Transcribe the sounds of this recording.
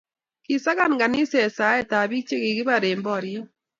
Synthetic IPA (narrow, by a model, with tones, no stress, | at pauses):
kɪ˨sa˦ka˦˨nɡa˨nɪ˦sɛ˨sa˨˦ɛ˦˨ta˨bi˦t͡ʃe˦ke˨kɪ˦ba˨ɾe˨mbɔ˦˨ɾjɔ˦